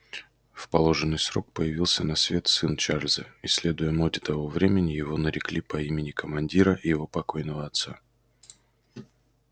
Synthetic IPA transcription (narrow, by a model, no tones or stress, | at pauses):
fpɐlˠo̞ʐɨnːɨjsɾo̞k̚pəjɪvʲilˠsʲənɐsvʲe̞t̪sɨnt͡ʃarlʲzəɪsʲːlʲe̞d̪ʊjəmodʲɪt̪ɐvo̞vɾʲemʲɪnʲɪjɪvo̞nəɾʲɪklʲipɐimʲɪnʲɪkəmɐnʲdʲiɾəʔjɪvo̞pɐko̞jnəvəɐt̪sa